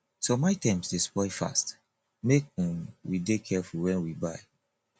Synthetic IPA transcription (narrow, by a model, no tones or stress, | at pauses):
somaɪtãɪ̃mstespɔɪfa̰st | mek̚ĩmwidekʰɛfulwɛ̃nwibaɪ